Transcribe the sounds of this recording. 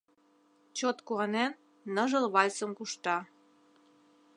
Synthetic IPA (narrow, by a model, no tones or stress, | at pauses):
t͡ɕot̪kuɑnenː | ɤʒɤ̆lβɑlʲt͡səmkuʃt̪ɑ